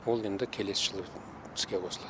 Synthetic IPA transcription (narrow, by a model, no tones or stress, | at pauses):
wolˠe̞nd̪ɪkʲʰe̞le̞sɪʒ̥əlˠə | t̪ʰɪ̥skʲekʰosəlˠɑ